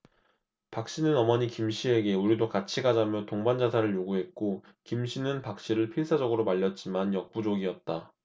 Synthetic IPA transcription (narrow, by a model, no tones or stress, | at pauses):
pak̚ɕ͈inɯnʌmʌɲikimɕʰie̞ɡe̞uɾidokat͡ɕʰiɡad͡ʑamjʌtoŋband͡ʑasʰaɾɯɭjoɡuɦe̞t̚k͈o | kimɕʰinɯnpak̚ɕ͈iɾɯɭpʰiɭs͈ʰad͡ʑʌɡɯɾomaʎːʌt̚t͡ɕ͈imanjʌk̚p͈ud͡ʑoɡiʌt̚t͈a